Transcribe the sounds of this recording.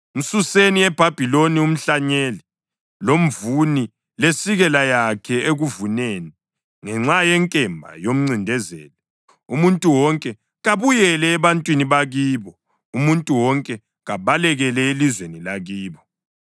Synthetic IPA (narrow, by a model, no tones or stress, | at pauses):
um̩suseniɛb̥ʱab̥ʱilonium̩ɬaɲeli | lom̩vuni | lesiɣɛlajakʰɛeɣuvuneːni | ŋɛŋ͡ǁajɛŋkʼɛmbʱa̰jom̩ŋ͡ǀindʱɛzɛ̰ːlɛ | umuntʼuwɔŋkʼɛ | ɣaβujɛlɛːβantʼwiniβaɣiːβɔ | umuntʼuwɔŋkʼɛ | ɣaβalɛɣɛlɛelizwenilaɣiːβɔ